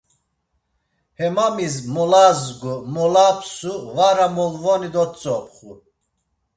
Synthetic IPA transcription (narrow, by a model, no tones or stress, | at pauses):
hɛmamizmɔlazɡumɔlapʰʼsuvaɾamɔlvɔnid̪ɔt͡sʼɔpʰχu